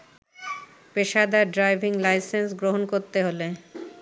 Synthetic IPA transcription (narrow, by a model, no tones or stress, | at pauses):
peʃad̪aɖɾajbʱiŋlajsensɡɾoɦonkoɾt̪eɦole